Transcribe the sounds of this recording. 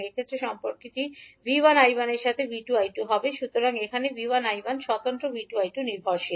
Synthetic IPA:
ekʰet̪ːɾeʃɔmpoɾkit̪ibibanajbaneɾʃat̪ʰebiʈuajʈuɦɔbeʃut̪oɾaŋekʰanebiwanajbanʃɔt̪ant̪ɾobiʈuajʈuniɾbʱaɾʃi

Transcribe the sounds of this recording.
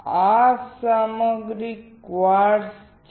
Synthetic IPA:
asaməɡɾikʋaɾs | t͡ʃ

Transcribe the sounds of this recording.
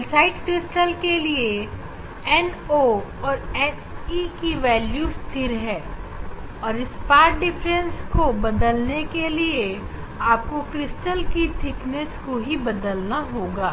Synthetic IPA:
ɛlsaːɪʈkɾɪsʈəlkelie | ɛn | oɔːɾɛsikiʋɛːljust̪ʰɪɾɦɛː | ɔːɾɪspaːʈ̚ɖɪfʰɾə̃nskobɐd̪əlnekelie | aːp̚kokɾɪsʈəlkit̪ʰɪknɛskoɦibɐd̪əlnaɦoːɡaː

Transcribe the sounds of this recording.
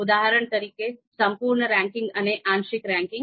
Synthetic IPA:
ud̪aɦəɾəɳt̪ɐɾiːkesɐmpuːɾɳəɾɛ̃ŋkɪ̃ŋɡɐneʔãnʃɪkɾɛ̃ŋkɪŋ

